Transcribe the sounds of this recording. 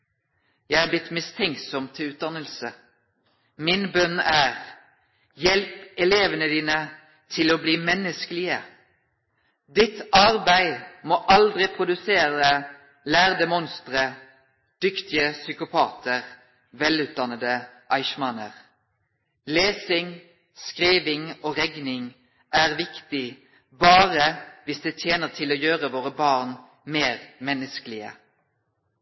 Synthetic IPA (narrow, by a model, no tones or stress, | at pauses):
jæɪhɑblɪt̪ːmɪst̪ʰɛŋksɔmt̪ʰːʉːt̪̚d̪ɑnəlsə | mɪnbœnæːʁ | jɛlpɛleːʋənəd̪iːnə | t̪ʰɪloːbliːmɛnːəskəlɪə | d̪ɪt̪ɑʁbæɪmoːʔɑld̪ʁɪpʰʁʊd̪ʉseːʁə | læːʁd̪ɛmɔnst̪ʁə | d̪̥ʏkt̪ɪəsʏkʊpʰɑːt̪ʰəʁ | ʋɛlʉːt̪̚d̪ɑnəd̪əʔɑɪʃmɑnə̰ʁ | leːsɪŋ | skʁiːʋɪŋoːʁɛɡnɪŋ | ʔæːʁʋɪkt̪ɪ | bɑːʁəʋɪsd̪eːt̪ʰjeːnəʁt̪ʰɪloːjøːʁəʋoːʁəbɑːʁn | meːʁmɛnːəskəlɪə̰